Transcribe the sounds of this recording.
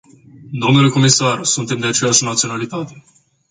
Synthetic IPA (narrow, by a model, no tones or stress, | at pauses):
d̪o̞mnule̞ko̞misarsunt̪e̞md̪e̞at͡ʃe̞jaʃnat̪sio̞nalit̪at̪e̞